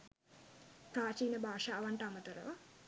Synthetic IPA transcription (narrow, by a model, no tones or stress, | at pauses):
t̪aːt͡ʃiːnəbʱaːʃaːʋaɳʈəamət̪əɾəʋa